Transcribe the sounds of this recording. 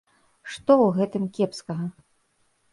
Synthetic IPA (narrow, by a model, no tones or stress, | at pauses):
ʂt̪ɔwɣɛt̪ɨmkʲɛpskɐɣɐ